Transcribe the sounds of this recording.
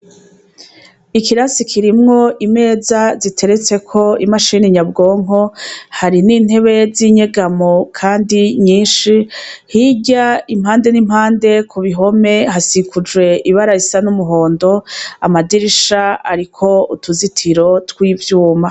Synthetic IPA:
ikiɾasikʰiɾimŋo̞ʔime̞ːzazitʰe̞ɾe̞t͡se̞kʰo̞imaʃiːniɲabɡo̞ːŋo̞haɾiniːn̥he̞βe̞ziɲeɡamokʰaːndiɲiːnʃihiɟaim̥haːnde̞nim̥haːnde̞kʰuβiɦo̞me̞ɦasikʰud͡ʒwe̞ʔiβaɾaisanumuɦo̞ːndo̞amadiɾiʃaa̰ɾikʰo̞utuzitʰiɾo̞twiːvjuːma

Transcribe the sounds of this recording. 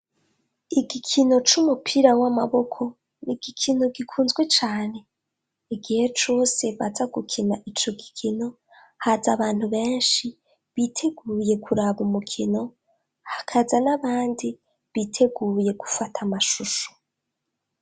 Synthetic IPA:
iɡikʰino̞t͡ʃumupʰiɾawamaβo̞kʰo̞ | niɡ̥ikʰino̞ɡikʰuːnzɡwe̞t͡ʃaːne̞ | iɡihe̞t͡ʃo̞ːse̞βazaɡukʰinaʔit͡ʃo̞ɡikʰino̞ | hazaβaːn̥huβe̞ːnʃi | βitʰe̞ɡuːje̞kuɾaβumukʰino̞ | hakʰazanaβaːndi | βitʰe̞ɡuːje̞ɡu̥fatʰamaʃuʃo̥

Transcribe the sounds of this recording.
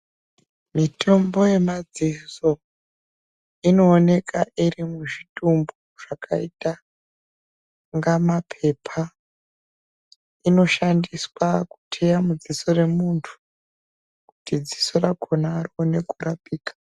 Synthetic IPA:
mitʰo̞mbo̞je̞mad͡ziso̞ | ino̞ːne̞kaʔirimuʐitumboʐ̥akʰaita | ŋɡamapʰe̞pʰa | ino̞ʃandiswaku̥tʰejamud͡zisore̞muntʰu̥ | kutid͡zi̥sorakʰo̞naːrione̞kurapiːkḁ

